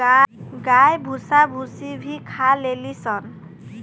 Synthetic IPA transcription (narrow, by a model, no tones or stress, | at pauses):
aɡajbʱusabʱusibʱikʰalelisɔn